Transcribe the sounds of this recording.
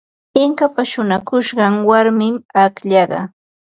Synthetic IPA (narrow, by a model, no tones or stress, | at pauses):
ɪŋkapaʃʊnakʊʃɢɑŋwaɾmɪmakʎɑɢɑ̰